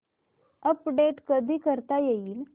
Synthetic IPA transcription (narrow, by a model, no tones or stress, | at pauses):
əpɖeʈkəd̪ʱiːkəɾt̪ajeiːl